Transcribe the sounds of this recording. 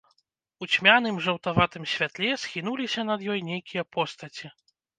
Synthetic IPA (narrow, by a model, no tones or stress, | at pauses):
ut͡sʲmʲan̪ɨmʐɐwt̪avat̪ɨmsʲvʲat̪lʲɛsxʲin̪ulʲisʲɐnɐd̪jɔjnʲejkʲijɐpʰɔst̪ɐt͡sʲi